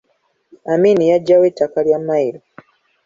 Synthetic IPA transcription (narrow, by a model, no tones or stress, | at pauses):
amiːnijaɟːawe̞ːtːakaljamːaiɾo